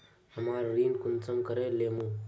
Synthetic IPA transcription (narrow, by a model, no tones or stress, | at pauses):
həmaːɾɾiːnkunt͡səmkəɾelemũ